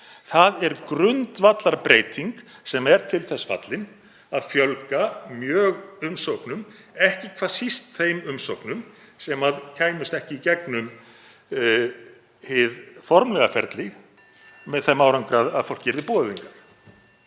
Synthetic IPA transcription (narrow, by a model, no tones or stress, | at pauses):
θaðɛɾkɾʏnt̪vat̪laɾpɾeːjt̪ʰiŋksɛmɛɾt̪ʰɪlθɛsfa̰t̪lɪn | aðfjœlkamjœːɣʏmsowknʏm | ɛhcɪkʰvasist̪θejmʏmsowknʏm | sɛmaðcʰaːjmʏst̪ɛhcɪicɛknʏm | hɪðfɔɾmlɛɣafɛ̰ɾt̪lɪɣ | mɛðθɛmaːwɾaŋkɾaðaðfowl̥cːɪɾðɪpɔːðʏðiŋkaɾ̥